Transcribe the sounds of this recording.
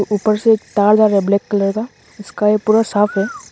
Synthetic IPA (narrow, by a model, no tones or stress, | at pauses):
ʔuːpəɾsekt̪aːld͡ʒaːɾebleːkːɐleːɡa | ɪskajepuːɾasaːpʰɦɛː